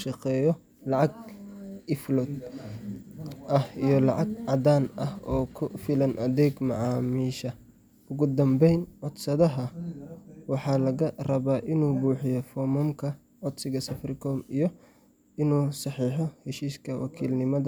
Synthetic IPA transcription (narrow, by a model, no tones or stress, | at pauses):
ʃɑqɛːjɔ | lɑʕɑɡ̚ʔɪflɔːd̪ | ʔɐhijɔlɑʕɑɡ̚ʕɑd̪aːnʔɐhɔːkʰʊfɪlɐnʔɐðɛːɡmɑʕɑːmiːʃɐ | ʔʊɣʊd̪ɐmbɛjnʕɔd̪sɐðɐɦɐ | wɑħɑːlɐɣɐrɐβaːʔɪnuːbuːħɪjɔfɔmɔːmkʰɐ | ʕɔd̪sɪɣɐsɐfrɪkʰɔːmijɞ | ɪnuːsɑħiːħɔhɛʃiːskʰɐwʔɑ̰kʰḭːlnɪmɐð